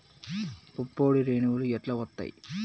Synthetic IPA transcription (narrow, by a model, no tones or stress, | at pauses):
pupːoːɽiɾeːnuʋuluɛʈlɐʋɐt̪ːa̰jḭ